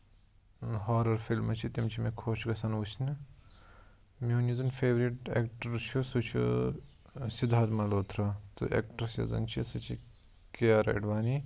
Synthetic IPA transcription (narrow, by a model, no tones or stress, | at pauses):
ɦaːɾɐɾfilmɐt͡ʃʰit̪imt͡ʃʰimekʰoːt͡ʃʰɡɐsɐnut͡ʃʰnɨ | munizɐnfʰeːʋɾiʈḛːkʈɐɾt͡ʃʰusut͡ʃʰṵ | sid̪ʱːaːd̪mɐloːt̪ʰɾɐt̪ṵʔḛkʈɐɾsɐ̰zɐ̰nt͡ʃʰisɐt͡ʃʰi | keɐɾɐ̰ɖʋaːni